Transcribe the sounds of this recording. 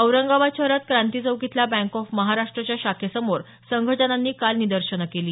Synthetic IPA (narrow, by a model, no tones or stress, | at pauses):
əwɾəŋɡaʋat͡ɕəɾat̪̚kɾãnt̪id͡zəʋkit̪ʰlabæ̃ŋkɔfməɦaɾaʂʈɾət͡ɕjaɕakʰesəmoɾ | səŋɡʱəd͡ʑənanːiːkalnid̪əɾɕənəkeliː